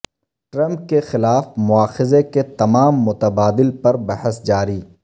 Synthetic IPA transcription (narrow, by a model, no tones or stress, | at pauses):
ʈɾɐ̃mp̚kexɪlaːfmʊaːxɪzeket̪ɐmaːmːʊt̪ɐbaːd̪ɪlpɐɾbɐhəsd͡ʒaːɾiː